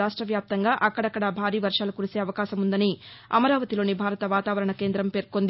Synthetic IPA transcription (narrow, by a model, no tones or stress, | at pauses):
aːʂʈɾɐʋjaːp̚t̪ɐŋɡaːʔɐkːɐɽɐkːɐɽabʱaːɾiːʋɐɾʂaːlukuɾise̞ːɐʋɐkaːʃɐmund̪ɐniɐ̰mɐɾaːʋɐt̪ilo̞ːnibʱaːɾɐt̪ɐʋaːt̪aːʋɐɾɐɳɐke̞ːnd̪ɾɐmpe̞ːɾkond̪i